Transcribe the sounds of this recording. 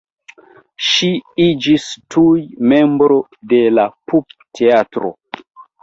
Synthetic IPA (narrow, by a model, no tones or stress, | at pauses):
ʃiid͡ʒistʰujme̞mbɾo̞ | de̞lapup̚tʰeatɾo̰